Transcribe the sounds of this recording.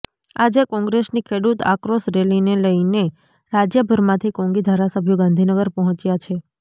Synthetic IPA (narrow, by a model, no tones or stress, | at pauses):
ad͡ʒekɔ̃ŋɡɾesnikʰeɽut̪a̰kɾosɾelineləine | ɾad͡ʒjəbʱəɾmãt̪ʰikɔ̃ŋɡid̪ʱaɾasəbʱjoɡãnd̪ʱinəɡəɾpəɦɔ̃t͡ʃjat͡ʃʰe